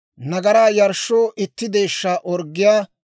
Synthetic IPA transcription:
nɐɡɐɾaːjɐɾʃoːʔɪt̪ːɪd̪e̞ːʃːaʔɔɾɡːɪjaː

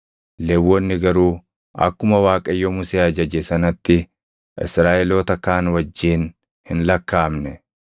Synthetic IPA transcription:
lewːɔnːɪɡɐɾuː | ɐ̰kːʊmɐwaːkʼɐjːɔmʊseːɐd͡ʒɐd͡ʒɛsɐnɐt̪ːɪ | ʔɪ̰sɾaːʔɛloːt̪ɐkaːnwɐd͡ʒːiːn | hɪnlɐkːaːmnɛ

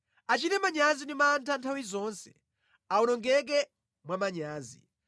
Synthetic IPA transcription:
at͡ʃitɛmaɲazindimantʰantʰawizɔːnsɛ̥ | aunɔŋɡɛk̬ɛ | mwamaɲaːzḭ

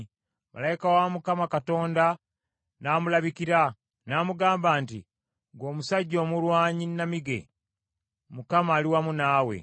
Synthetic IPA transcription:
mʔa̰lajikawamukamakato̞ːnda | naːmulaβikiɾa | naːmuɡaːmbaːntḭ | ɡo̞ːmusaɟːo̞ːmulwaːɲinːamiɡe̞̰ | mukamaːliwamunaːwe̞̰

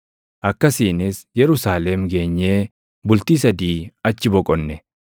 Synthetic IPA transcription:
ʔɐkːɐsiːnɪsjɛɾʊsaːlɛmɡe̞ːɲːeː | bʊlt̪iːsɐd̪iːɐt͡ʃːɪbɔkʼɔnːɛ

